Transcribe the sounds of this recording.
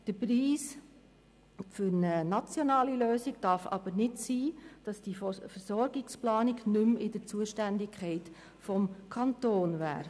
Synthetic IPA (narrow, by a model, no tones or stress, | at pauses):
d̥əpɾiːs | fʏɾnənɑt͡sjɔnɑːliløːsɪɡd̥ɑɾfɑ̰b̥əɾnɪtsiːd̥ɑsd̥ifəɾsɔɾɡɪksplɑːnɪɡnʏmɪd̥ət͡suəʃtændɪkʰχɛɪt | fɔmkʰɑntoːnvæ̰ːɾ